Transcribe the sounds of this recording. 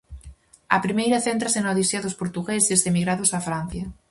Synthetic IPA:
ɐ̰pɾimejɾaθent̪ɾasenawðisjaðospoɾt̪uɣesesemiɣɾaðosafɾan̟θja

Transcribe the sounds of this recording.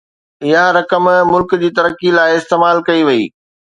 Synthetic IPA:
ɪɦaɾɐkəmmʊlkd͡ʑiːt̪ɐɾəkilaːɪɪst̪eːmaːlkɐiʋɐḭː

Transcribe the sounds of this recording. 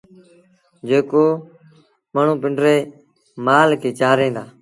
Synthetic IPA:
d͡ʒeːkoː | məːɳ̤ũːpɪɳɖɾeː | maːlkʰeːt͡ʃaːɾẽːnd̪aː

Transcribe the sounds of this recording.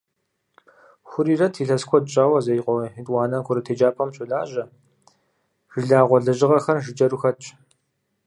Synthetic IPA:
xʷʊɾiːrɐtʰiːɬɐskʷʰɔdt͡ʃʼaːwɐzɐjqʷɔitʼwɑːnɐkʷʰʊɾɐtʰeːd͡ʒaːpʰɐmɕʼʊɮaːʒɐ | ʒ̥ɨɮaːʁʷɔɮɐʒɪʁɐxɐrʒɨd͡ʒɐɾuxɐt͡ʃʼ

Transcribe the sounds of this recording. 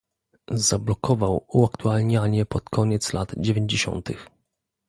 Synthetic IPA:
zablɔkʰɔvawuakt̪ualɲaɲɛpɔt̪kʰɔɲɛt̪slʔad̪d͡ʑevʲjeɲd͡ʑeɕɔ̰nt̪ɘ̰x

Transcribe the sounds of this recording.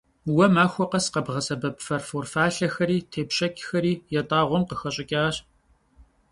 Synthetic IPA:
wɐmaːxʷɔqɐsqɐbʁɐsɐbɐpʼfɐrfoːrfaːɬɐxɐɾiːtʰeːpɕʼɐkʲʼxɐɾiːjɛtʼaːʁʷɔmqəxɐɕʼɪkʲʼaːɕ

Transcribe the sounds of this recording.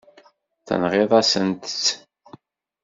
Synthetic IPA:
θə̰nʁeðˤæsənt̪ə̥t͡sː

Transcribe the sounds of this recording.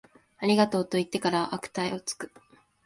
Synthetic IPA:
aɾʲiɡat̪o̞ːt̪o̞it̪ːe̞kaɾaʔakɯ̟̥t̪aeo̞t͡sɨ̥kɯ̟

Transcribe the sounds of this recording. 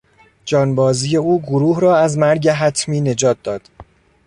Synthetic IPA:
d͡ʒɒːnbɒːziːje̞uːɡoɾuːhɾɒːæzmæɾɟeɦæt̪ʰmiːne̞d͡ʒɒːt̪̚d̪ɒːd̪̥

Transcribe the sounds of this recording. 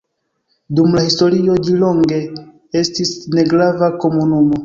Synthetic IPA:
dumlahisto̞ɾio̞d͡ʒiloŋɡe̞ | e̞stisne̞ɡɾavako̞munumo̞

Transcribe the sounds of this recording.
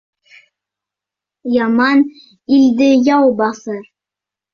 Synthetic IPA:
jɑmɑn | ild̪ɘjɑwbɑθɤɾ

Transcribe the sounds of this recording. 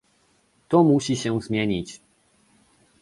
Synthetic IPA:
t̪ɔmuɕiɕɛzmʲjeɲit͡ɕ

